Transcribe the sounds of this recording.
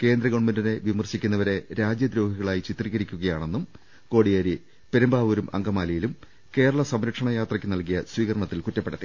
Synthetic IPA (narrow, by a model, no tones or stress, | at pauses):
ke̞ːnd̪ɾɐɣoɳmɐndɐne̞ʋimɐrɕikʲːunːɐʋɐɾe̞ɾaːd͡ʑjɐd̪ɾo̞ːɦiɣɐɭaːjit͡ɕit̪riɣɐɾikʲːuɣɐjaːɳe̞nːum | ko̞ːɽijaːɾi | peɾumbaːʋuɾumʔɐ̰ŋɡɐmaːlɐjilum | ke̞ːɾɐɭɐsɐmɾɐkʂɐɳɐjaːt̪rɐkʲːɨnɐlkijɐswiːɣɐɾɐɳɐt̪ːilkutːɐpːeɽɐðɨ